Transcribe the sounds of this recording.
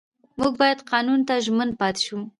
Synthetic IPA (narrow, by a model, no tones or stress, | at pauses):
muɡ̚bɑjad̪qɑnunt̪aʒmənpɑt̪ɪ̥ʃu